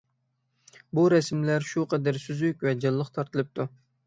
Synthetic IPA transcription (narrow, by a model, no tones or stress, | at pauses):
buɾɛsmlæɾʃuqʰəd̪æɾsyzykʲwɛd͡ʒɑlˠːəqt̪ʰɑɾt̪ʰɨlˠɨp̚t̪ʰu